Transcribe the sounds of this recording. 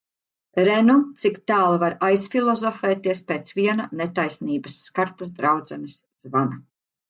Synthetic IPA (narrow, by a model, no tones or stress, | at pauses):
ɾɛnut̪sikt̪aːlˠvaɾajsfilˠɔzɔfɛːt̪iɛspeːt̪sviɛnanet̪ajsniːbɐsːkaɾt̪ɐs̬d̪ɾawd̪zɛnis | z̥vana